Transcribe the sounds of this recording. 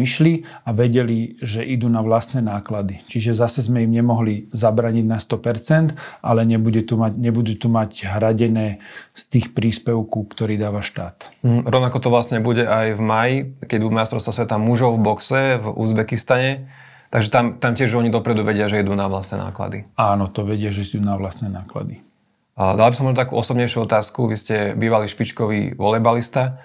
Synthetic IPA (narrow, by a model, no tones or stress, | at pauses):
iʃliaʋɛɟɛliʒɛʔid̪uːnaʋlast̪nɛnaːklad̪it͡ʃiʒɛzasɛzmɛimɲɛmɔɦlizabɾaːɲiɟnast̪ɔpɛɾt͡sɛnd̪alɛɲɛbuɟɛt̪umaɟɲɛbud̪uːt̪umaɟɦɾaɟɛnɛːst̪iːxpɾiːspɛʊkukt̪ɔɾiːd̪aːʋaʃt̪a̰ːt̪m̩ɦ̩ɾɔʊnakɔt̪ɔʋlasɲɛbuɟɛʔajvmajikɛɟbud̪majst̪ɾɔʊst̪ʋasʋɛt̪amuʒɔʊvbɔksɛvṵzbɛkist̪aɲɛ | t̪aɡʒɛt̪amt̪amcɛʒɔɲid̪ɔpɾɛd̪uʋɛɟɪaʒɛid̪uːnaʋlast̪nɛna̰ːkla̰d̪iaːnɔt̪ɔʋɛɟɪaʒɛsuːnaʋlasnɛnaːkla̰d̪i | d̪albisɔmɔʒnɔt̪akuːʔɔsɔbɲɛjʃuɔt̪aːskuʋiscɛbiːʋaliʃpit͡ʃkɔʋḭʋɔlɛbalist̪a